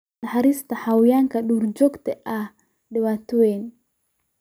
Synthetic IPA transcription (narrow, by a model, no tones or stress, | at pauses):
ahaɾist̪ahawiaŋkaɗuɾd͡ʒɔkt̪ɛʔa | dɛwat̪uwen